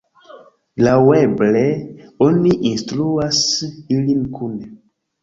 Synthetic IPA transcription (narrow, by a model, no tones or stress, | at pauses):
lawebleoniʔinstluasilinkʰune